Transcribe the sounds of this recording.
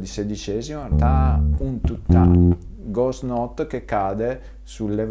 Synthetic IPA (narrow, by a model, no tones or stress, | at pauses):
d̪ised̪it͡ʃɛːzimat̪aunt̪ut̪ːa | ɡɔsnɔt̪ːk̟ekːaːd̪e | sulːev